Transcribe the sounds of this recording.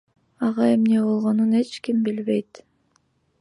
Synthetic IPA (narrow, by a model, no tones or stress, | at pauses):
ɑʁɑe̞mne̞bo̞lˠʁo̞nune̞t͡ʃkimbilβe̞jt̪